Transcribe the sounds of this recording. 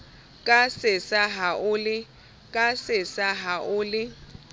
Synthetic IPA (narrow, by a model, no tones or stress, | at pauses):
kʼasɪsaɦaʔʊlɪ | kʼasɪsaɦaʔʊːlɪ